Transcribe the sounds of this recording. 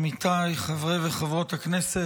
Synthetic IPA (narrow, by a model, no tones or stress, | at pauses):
mit̪ajχavʁeveχavʁo̞t̪haknese